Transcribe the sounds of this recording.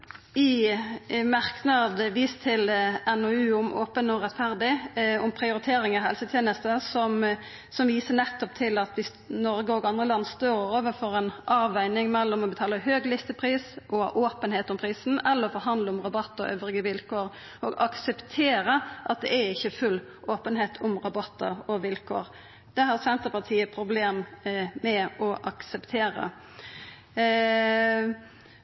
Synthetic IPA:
ɪ | mɑʁknɑd̪ʋiːst̪ʰɪlɛnɔʉːʊmʔoːpənɔʁɛt̪ːfæʁd̪ɪɔmpʰɾɪʊɾɪt̪ʰeːɾɪŋɑhɛ̰lsət̪ʰjeːnəst̪əsɔm | sɔmʋiːsənɛt̪ːʊp̚t̪ʰɪlɑt̪ʋɪ | nɔɾɡəɔɡɑnd̪ʁəlɑnːst̪oːʁɾoːʋəfɔɾɛnʔɑːʋæɪnɪŋmɛlːɔmɔbət̪ʰɑːləhøːɡlɪst̪əpʰʁiːsʔɔʔoːpənheːt̪ɔmpʰʁiːsn̩ɛlːəʁɔfɔɾɦɑnd̪ləɔmʁɑbɑt̪ːəɔ̰ʔø̰ːʋɾɪɡəʋɪlkoːɾ | ɔɡɑksɛpt̪ʰeːɾəʔɑt̪̚d̪ɛ̰æɪçːəfʉl | ʔoːpənɦeːt̪ʰɔmʁɑbɑt̪ːə̰ʁɔʋɪlkʰo̰ːʁ | d̪̥ɛhɑʁsɛnt̪əʁpɑʁt̪ʰiːəpʰɾʊbleːmmɛɔʔɑksɛpt̪ʰeːɾə̰

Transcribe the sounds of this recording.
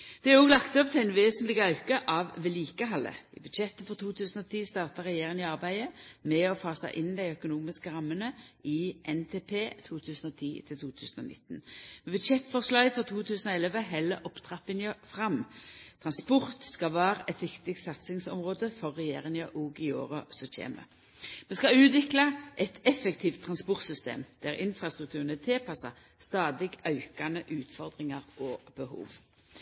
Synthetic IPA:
d̪̥ɛæʁoːɡlɑkt̪ɔpt̪ʰɪlɛɪnʋeːsənt̪lɪɡəɑʉkəʔɑʋʋɛliːkəɦɑlə̰ɪ̰bʉd̪ʃɛt̪ːəfɔʁt̪ʰuːt̪ʰʉːsnɔt̪ʰiːst̪ɑːʁt̪ɑʁɛjeːʁɪŋɪɑʁbæɪəmɛɔfɑːsæ̰ɪʔɪnd̪æɪœkʊnuːmɪskəɾɑmːənəɪʔɛnt̪ʰeːpʰeːt̪ʰuːt̪ʰʉːsnɔt̪ʰiːt̪ʰɪlt̪ʰuːt̪ʰʉ̰ːsənɔ̰nɪ̰t̪ːnmɛbʉd̪ʃɛt̪fɔʁslɑɡfʁɔt̪ʰuːt̪ʰʉːsənɔɛlɛʋəɦɛlːəɾʔɔpt̪ʰʁɑpɪnəfʁɑmt̪ʰʁɑnspɔʁt̪skɑʋæːɾəʔɛt̪ʋɪkt̪ɪɡ̚t̪sɑt̪sɪŋsɔ̰mʁoːd̪əfɔʁːɛjeːʁɪŋɑʔɔɡɪoːɾəsɔc͡çʰḛːmə̰ | mɛnskɑʉːt̪ʋɪklɑʔɛt̪ɛfɛkt̪ʰiːft̪ʰːʁɑnspʊʁt̪sʏst̪ḛːmd̪̥æʁɪnfɾɑst̪ɾʉk̚t̪ʰʉːʁənət̪ʰɪːpʰɑsɑ̰ | st̪ɑːd̪ɪɡœʏkɑnəʔʉːt̪fɔʁd̪ʁɪŋɑʁʔɔb̥əɦṵːʋ

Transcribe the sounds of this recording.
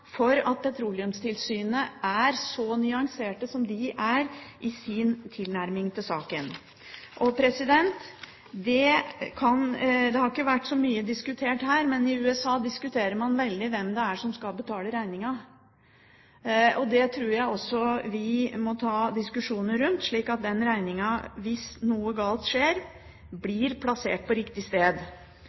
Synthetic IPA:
fɔɾɑ̰t̪̚pʰɛt̪ʰɾuːlɪʉmst̪ʰɪlsyːnəʔæɾsɔnʏɑŋseːʈəsɔmd̪ɪʔæɾʔɪsɪnt̪ʰɪlnæɾmɪŋt̪ʰɪlsɑːkən | ʔɔpʰɾɛsɪd̪ɛnt̪ | d̪ɛkʰɑnd̪ɛhɑɾɪkːəʋæʈːsɔmyːəd̪ɪskʉt̪ʰeːʈhæːɾmɛnɪʉːɛsɑːd̪ɪskʉt̪ʰeːɾəɾmɑnʋɛld̪ɪʋɛmd̪ɛæʂɔmskɑlbət̪ʰɑːləɾæɪnɪŋɑ | ɔd̪ɛt̪ʰɾuːɾjæɪɔsːɔʋɪmɔt̪ʰɑːd̪ɪskʉʂuːnəɾʉnt̪ʂɭiːkɑt̪̚d̪ɛnɾæɪnɪŋɑʋɪsnuːəɡɑːlt̪ʂeːɾ | blɪɾpʰlɑsḛːʈ̚pʰɔɾɪkt̪ɪst̪eːd̪

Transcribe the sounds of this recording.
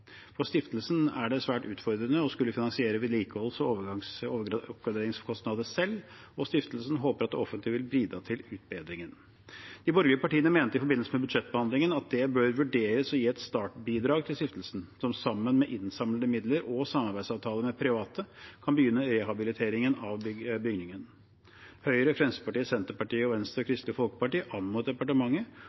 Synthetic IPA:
fɔst̪ɪft̪əlsnæɖɛsʋæːʈʉːt̪fɔɾd̪ɾənəɔskʉlːəfɪnɑnsɪeːɾəʋɪd̪liːkəɔlsɔoːʋəɡɑŋsoɔpɡɾɑd̪eːɾɪŋskʰɔst̪nɑd̪əsɛlː | ɔst̪ɪft̪əl̩sn̩ɦoːpəɾɑt̪ɔfənt̪ɪʋɪlbɾiːd̪ɾɑːt̪ʰɪlʉːt̪̚beːd̪ɾɪŋən | d̪̥ɪbɔɾɡ̪ɪəpʰɑʈiːənəmeːnəəɪfɔɾbɪnːlsəmɛbʉd̪ʂɛt̪ːbəhɑnd̪ɪŋənɑt̪̚d̪ɛbøːɾʋʉɖeːɾəsɔjiːɛt̪st̪ɑːʈbiːd̪ɾɑːɡt̪ʰɪlst̪ɪft̪əlsn̩sɔmsɑmːənmɛʔɪnsɑmləd̪əmɪd̪ləɾɔsɑmːɑɾbæɪsɑːʋt̪ʰɑːləmɛpʰɾɪʋɑːt̪ʰəkʰɑnbəjʏnːəɾɛɦɑbɪlɪt̪ʰeːɾɪŋənɑʋbʏɡnɪŋən | hœʏɾəfɾɛnsə̥pɑʈiːəsɛnt̪əɾpɑʈiːəɔʋɛnst̪əɾɔkʰɾɪst̪əfɔlkə̥pɑʈiːəʔɑnmuːt̪̚d̪ɛpɑʈəmɑŋːə

